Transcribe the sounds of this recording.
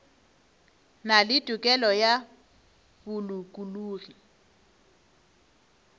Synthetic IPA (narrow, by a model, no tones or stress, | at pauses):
nalɪtʼʊkʼɛlɔja | bʊlukʼuluːri